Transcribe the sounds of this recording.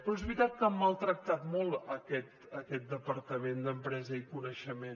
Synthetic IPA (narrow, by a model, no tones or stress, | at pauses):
pɾɔɛzβɾit̪at̪̚kəmːəlˠt̪ɾək̚t̪at̪mɔlˠəkɛt̪ | əkɛt̪̚d̪əpəɾt̪əmend̪əmpɾɛzəikunəʃəmen